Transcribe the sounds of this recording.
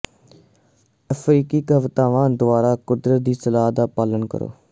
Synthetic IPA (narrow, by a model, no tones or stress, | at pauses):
əfʰɾiːkiːkəʋt̪aːʋãːd̪ʊaːɾaːkʊd̪ɾət̪̚d̪iːsəlaːɦd̪aːpaːlənkə̰ɾo̰ː